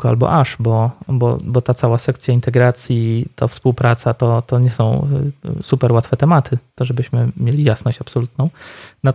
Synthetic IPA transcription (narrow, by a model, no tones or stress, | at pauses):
kɔa̰lbɔ̰ʔaʂbɔbɔ̰bɔt̪at̪sawasɛkt̪sʲjaint̪ɛɡɾat̪sʲjit̪ʰafspuwpɾat̪sat̪ɔt̪ɔɲɛsɔ̃w̃supɛɾwat̪fɛt̪ɛmat̪ʰɘt̪ɔʐɛbɘɕmɘmʲjelʲijasnɔɕt͡ɕapsɔlut̪nɔ̃w̃na